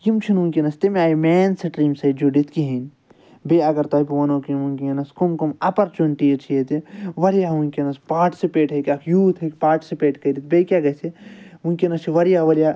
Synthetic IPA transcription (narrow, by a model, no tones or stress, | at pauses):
kimt͡ʃʰinunkʲinɐst̪imeaːimɛːnsɐʈɾiːmsɐd͡ʒoɖit̪kiɦin | beɐɡɐɾt̪aːipiʋɐnõːkiunkinɐskumkomɐpɐɾt͡ʃoɳʈit͡ʃʰijet̪iʋɐɾijaːunkinɐspaːʈi̥sipeːʈɦekʲɐkʰjuːt̪ʰɦekpaːɾʈi̥sipeːʈkɐiɾit̪̚bekʲjaɡɐseunkʲinɐst͡ʃʰiʋɐɾijaʋɐɾijaː